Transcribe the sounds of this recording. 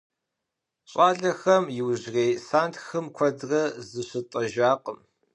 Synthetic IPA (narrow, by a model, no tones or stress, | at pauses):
ɕʼaːɮɐxɐmjɪwʑreːjsaːntʰxɨmkʷʰɔdrɐzɨɕɨtʼɐʒaːqʼəm